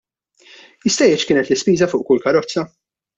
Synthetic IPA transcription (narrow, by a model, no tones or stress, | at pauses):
jɪst̪ɐjɛt͡ʃkɪːnɛt̪lɪspiːzɐfʊːʔkʊlkɐɾɔt͡sːɐ